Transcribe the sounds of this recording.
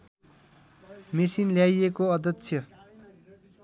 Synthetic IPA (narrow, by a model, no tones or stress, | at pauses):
mesinljajekoʌd̪ʌtsʰjʌ